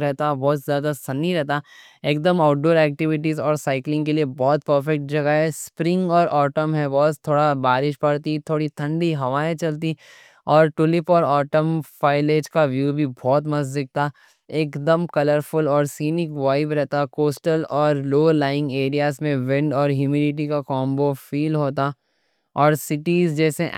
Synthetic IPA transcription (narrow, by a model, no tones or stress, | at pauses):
ɾɛɦt̪abɔːt̪zjaːd̪asɐnːiɾɛɦt̪a | eːk̚d̪əmaːʊʈ̚ɖoːɾɛːk̚ʈɪʋɪʈizɔːɾsaːɪklɪ̃ŋɡkeliebɔːt̪̚pəɾfɛk̚ʈ̚d͡ʒɐɡəɦɛspɾɪ̃ŋɡɔːɾɔːʈəmɦɛbɔːt̪ʰːoːɽabaːɾɪʃpɐɽt̪it̪ʰoːɽit̪ʰɐ̃ɳɖiɦɐʋaːẽt͡ʃɐlt̪i | ɔːɾʈʊlɪpɔːɾɔːʈəmfaːɪleːd͡ʒkaʋjuːbʱibɔːt̪mɐzd̪ɪk̚t̪ʰaː | eːkd̪əmkɐləɾfʊlɔːɾsiːnɪkʋaːɪbɾɛɦt̪akoːsʈəlɔːɾloːlaːɪ̃ŋɡeːɾijaːzmẽʋɪ̃ɳɖɔːɾɦjuːmiɖɪʈ̬ikakɔːmbofiːlɦoːt̪a | ɔːɾsɪʈiːzd͡ʒɛːse